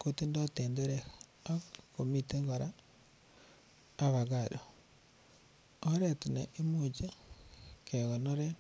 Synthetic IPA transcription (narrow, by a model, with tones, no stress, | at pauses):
ko˦ti˦ndo˦te˨nde˦ɾe˨ | a˦ko˨mi˨te˦ŋɡo˨ɾa˦ | βa˨ɣa˨ɗo˨ | o˦ɾe˨tine˨ʔe˦mu˨t͡ʃe˦ | ke˨ɣo˨no˦ɾe˦